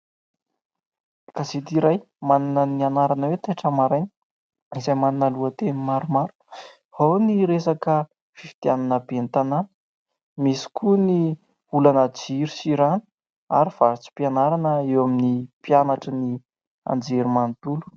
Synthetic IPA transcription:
kaset̪iɾaj | mannənianaɾanəwet̪aʈ͡ʂamaɾajn | izajmaninəluət̪enimaɾumaɾu̥k | hawniɾesakə | fifi̥t̪ananəbent̪ananə̥ | misi̥kʰuni | ulanəd͡ʒiɾisiɾani̥ | aɾiv̥aɾit͡si̥pianaɾanəewaminipjanaʈ͡ʂəni | a̰nd͡zeɾimant̪ulu̥

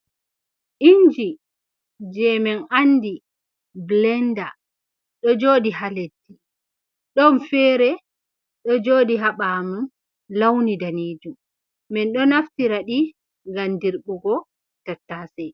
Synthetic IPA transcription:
ʔind͡ʒi | d͡ʒɛmɛnʔandi | blɛnda | ɗɔd͡ʒoːdiɦaledːi | ɗɔnfɛːɾɛ | ɗɔd͡ʒoːdiɦaɓaːmun | lawnidaniːd͡ʒum | mɛnɗɔnaftiɾaɗi | ŋɡandiɾɓuɡɔ | tatːaːsɛj

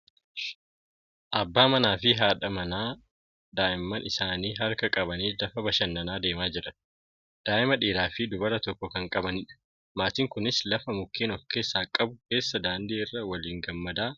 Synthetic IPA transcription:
ʔɐbːaːmɐnaːfɪɦaːᶑɐmɐnaː | d̪aːʔɪmːɐnʔɪsaːniːɦɐɾkɐkʼɐbɐniːlɐfɐbɐʃɐnːɐnaːd̪e̞ːmaːd͡ʒɪɾɐ | d̪̥aːʔɪmɐᶑiːɾaːfɪd̪ʊbɐɾɐt̪ɔkːɔkɐŋkʼɐbɐnɪᶑɐ̥ | maːt̪iːŋkʊnɪslɐfɐmʊkːeːnɔfke̞ːsːaːkʼːɐbʊke̞ːsːɐd̪aːnd̪iːɪrːɐwɐliːŋɡɐmːɐd̪aː

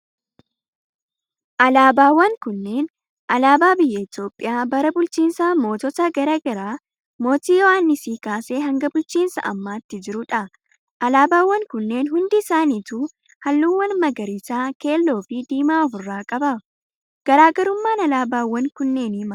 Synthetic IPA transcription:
ʔɐlaːbaːwːɐŋkʊnːe̞ːn | ɐlaːbaːbɪjːɐɪt̪jo̞ːpʼːɪjaːbɐɾɐbʊlt͡ʃiːnsamo̞ːt̪ɔt̪ɐɡɐɾɐɡɐɾaː | mo̞ːt̪iːjɔʔaːnːɪsiːkaːseːɦɐŋɡɐbʊlt͡ʃiːnsɐ̰ʔɐ̰mːaːt̪ːɪd͡ʒɪɾʊᶑɐ | ʔɐlaːbaːwːɐŋkʊnːe̞ːnɦʊnd̪ɪɪsaːniːt̪uː | hɐlːuːwːɐnmɐɡɐɾɪsaːke̞ːlːo̞ːfɪd̪iːmaːɔfʊrːaːkʼɐbɐ | ɡ̥ɐɾaːɡɐɾʊmːaːnɐlaːbaːwːɐŋkʊnːe̞ːnɪmɐ

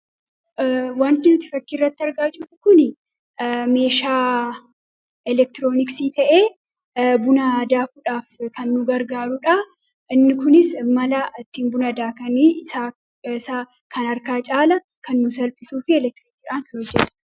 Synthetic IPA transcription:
waːnt̪ɪnʊt̪ɪ̥fɐkːɪːrːɐt̪ːɪɐɾɡaːt͡ʃʼuːfʊkʊnɪ | me̞ːʃaː | ɛlɛk̚t̪ɪɾo̞ːnɪksiːt̪ɐʔeː | bʊnɐd̪aːkʊᶑaːfkɐnːʊɡɐɾɡaːɾʊᶑɐ | ʔɪnːɪkʊnɪsmɐlɐʔɐt̪ːiːnbʊnɐd̪aːkɐnɪsaː | saː | kʰɐnɐɾkaːt͡ʃʼaːlɐ | kɐnːʊs̬ɐlpʼɪsuːfɪɛlɛk̚t̪ɪɾɪkt̪iːᶑaːŋkɐnhɔd͡ʒːɛt̪ːɐ

